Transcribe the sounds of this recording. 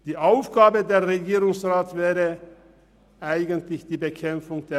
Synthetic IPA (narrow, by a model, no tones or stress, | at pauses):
d̥iːʔaʊfɡ̥aːbədeːɐʁeɡiːʁʊŋsʁaːtv̥ɛːʁə | ʔaɪɡəntlɪçd̥iːbəkʰɛmfʊŋd̥eː